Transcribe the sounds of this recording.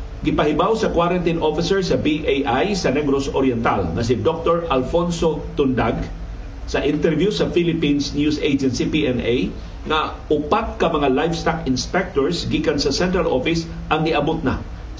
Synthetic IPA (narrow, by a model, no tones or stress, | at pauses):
ɡɪpɐhɪbawsɐkwaɾɐnt̪ɪnʔofɪsɛɹsɐbiʔejʔajsɐnɛɡɾosoɾjɛnt̪a̰lŋɐs̬ɪd̪ok̚t̪oɹʔɐlfonsot̪ʊnd̪aɡ | sɐʔɪnt̪ɛɹvjusɐfilɪpinsnjusʔejd͡ʒɛnsipiʔɛnej | ŋɐ | ʊpat̪̚kɐmɐŋalajfst̪akɪnspɛk̚t̪oɹsɡiːkɐnsɐsɛnt̪ɾalʔofɪs | ʔɐŋɪʔɐbot̪̚na̰